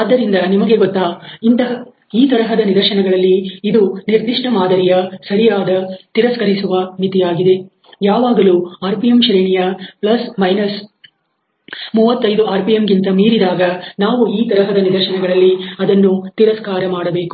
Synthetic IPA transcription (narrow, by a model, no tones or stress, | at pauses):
ad̪ːɐɾind̪ɐnimɐɡe̞ɡɔt̪ːaːint̪ɐɦɐ | iːt̪ɐɾɐɦɐd̪ɐnid̪ɐɾʃɐnɛɡɐɭɐlːiːd̪uniɾd̪ʱiʂʈɐmaːd̪ɐɾijɐsɐɾijaːd̪ɐt̪iɾɐskɐɾisuʋɐmit̪ijaːɡid̪e̞ | jaːʋaːɡɐluːaːɾpijemʃɾeːɳijɐplɐsmɐjnɐs | muːʋɐt̪ːɐjd̪uaːɾpijemɡint̪ɐmiːɾid̪aːɡɐnaːʋuiːt̪ɐɾɐɦɐd̪ɐnid̪ɐɾʃɐnɛɡɐɭɐlːiɐd̪ɐnːut̪iɾɐskaːɾɐmaːɽɐbe̞ːku̥